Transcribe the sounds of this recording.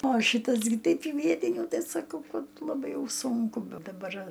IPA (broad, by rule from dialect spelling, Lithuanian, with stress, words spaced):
oː ˈʃʲiːtɐs ɡʲɪ ˈtʲɛɪp iː ˈʋʲiɛtʲɪnʲuː ˈtɐɪ sɐˈkɐʊ ˈkɐt lˠɐˈbɐɪ ˈjɛʊ ˈsʊŋkʊ bʲɛ dɐˈbɐr